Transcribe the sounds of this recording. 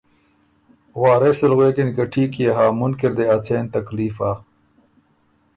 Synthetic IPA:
waːɾeselɣweːkinikɐʈʰiːkjeɦaːmʊnkiɾd̪eɐt͡sʰeːnt̪ɐkliːfaː

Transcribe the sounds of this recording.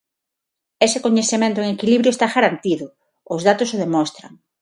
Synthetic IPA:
esɪkoɲeθemẽnt̪ʊeŋekiliβɾjoest̪aɣaɾant̪iðʊ | ʊzðat̪ʊsoð̞emɔst̪ɾa̰ŋ

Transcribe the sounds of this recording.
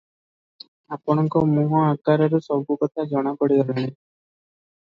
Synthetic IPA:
apɔɽ̃ɔŋkɔmuɦɔaɡaɾɔɾusɔbʱukɔt̪ʰad͡ʒɔɽ̃ɔkɔɽiɡ̪ɔlaɽ̃e

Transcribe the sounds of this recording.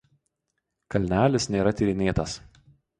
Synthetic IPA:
kɐlʲnʲæːlʲɪsnʲeːɾɐt̪ʲɪɾʲɪnʲeːt̪ɐs

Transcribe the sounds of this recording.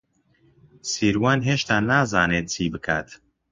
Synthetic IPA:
siːɾwaːnɦeːʃt̪aːnaːzaːneːt̪̚t͡sʰiːbɨkʰa̰ːt̪

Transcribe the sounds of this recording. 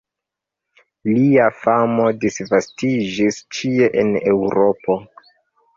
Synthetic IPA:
liafamo̞disvastid͡ʒist͡ʃie̞ʔḛne̞wɾo̞po̞

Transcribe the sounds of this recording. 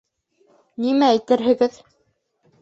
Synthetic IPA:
nimææjt̪ɘɾɦɘ̆ɡɘð

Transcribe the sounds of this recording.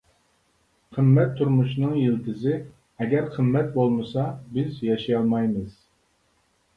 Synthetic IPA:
qʰəmːɛt̪ʰːuɾmuʃnɨŋjilt̪ʰɪzɪ | ɛɡʲɛɾqʰəmːɛt̪̚bolˠmɨsɑbɪzjɑʃijɑlˠmɑjmɨz̥

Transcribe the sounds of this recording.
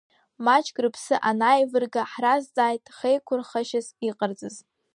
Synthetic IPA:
mat͡ʃʰʼɡrɨpʰsɨʔanajvɨrɡaħrazd͡zʼaːjtʼχejkʷʰʊrχaʃɪziqʼard͡zʼɨz

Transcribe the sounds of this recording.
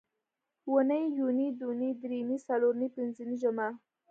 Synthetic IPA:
wənəjjunid̪unid̪ɾimisaloɾnipɪnzəniʒʊma

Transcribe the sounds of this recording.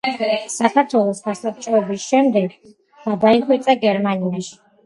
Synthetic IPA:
sakʰaɾt̪ʰwɛlˠɔsɡasap̚t͡ʃʼɔɔbisʃɛmd̪ɛɡ | ɡ̥ad̪aiχwit̪sʼaɡɛɾmaniaʃi̥

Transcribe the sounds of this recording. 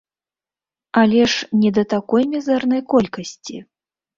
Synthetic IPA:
alʲɛʂnʲɛd̪ɐt̪akɔjmʲɛzɛrnɐjkɔlʲkɐsʲt͡sʲi

